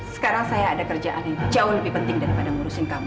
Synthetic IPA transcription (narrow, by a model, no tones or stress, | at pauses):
sə̥kaɾaŋsajaːdakərd͡ʒaʔanjaŋit͡ʃauləbɪhpənt̪ɪŋdaɾipadaŋuɾusankamu